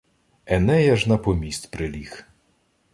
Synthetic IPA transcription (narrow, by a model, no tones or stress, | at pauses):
ɛnɛjɐʒnɐpɔmʲisʲt̪ʲpɾɪlʲix